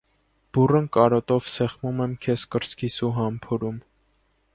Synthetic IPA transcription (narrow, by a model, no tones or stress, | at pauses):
b̥urənkɑɾɔt̪ɔvsɛχmumɛmkʰɛskəɾskʰisuɦɑmpʰɔɾum